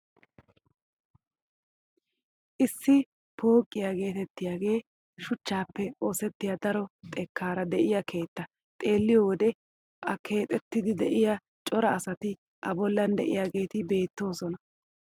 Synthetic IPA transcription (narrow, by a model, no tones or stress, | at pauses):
ʔɪsːɪ | pʰo̞ːkʼːɪjaːɡe̞ːt̪ɛt̪ːɪjaːɡe̞ː | ʃʊt͡ʃːaːpːɛo̞ːsɛt̪ːɪjad̪ɐɾɔt̪ʼɛkːaːɾɐd̪ɛʔɪjɐkʰe̞ːt̪ːɐ | t̪ʼe̞ːlːɪjɔwɔd̪ɛ | ʔɐkʰe̞ːt̪ʼɛt̪ːɪd̪ɪd̪ɛʔɪja | t͡ʃʼɔɾɐːsɐt̪ɪ | ʔɐbɔlːɐnd̪ɛʔɪ̰jaːɡe̞ːt̪ɪbe̞ːt̪ːo̞ːsɔnɐ